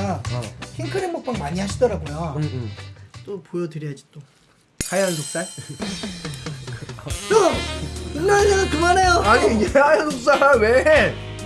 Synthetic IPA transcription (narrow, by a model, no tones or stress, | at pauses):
akʰeŋkʰɯɾeŋmok̚p͈aŋmaɲiɦaɕʰidʌɾaɡojo | t͈opojʌdɯɾiɦad͡ʑit͈o | hajʌns̬ok̚s͈aɭ | kt͡ɕo | inːaɭnanɯnkɯmanejoaɲinehajʌnsos͈awe